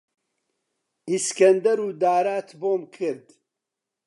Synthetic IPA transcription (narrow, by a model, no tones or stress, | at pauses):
iskɐnd̪ɐɾuːd̪aːɾaːt̪ʰboːmkʰɨɾd̪